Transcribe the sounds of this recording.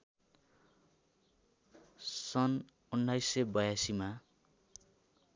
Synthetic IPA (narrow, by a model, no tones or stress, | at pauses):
sʌn | unːajsebʌjasima